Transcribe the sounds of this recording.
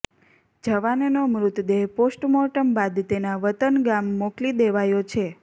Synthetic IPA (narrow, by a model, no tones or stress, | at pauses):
d͡ʒəʋannomɾut̪d̪eɦposʈmɔʈəmbad̪t̪enaʋət̪ənɡamːoklid̪eʋajot͡ʃʰe